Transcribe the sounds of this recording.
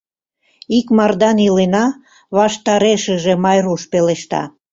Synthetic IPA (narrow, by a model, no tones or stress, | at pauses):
ikmɑrd̪ɑnilenɑ | βɑʃt̪ɑɾeʃəʒemɑjruʃpeleʃt̪ɑ̰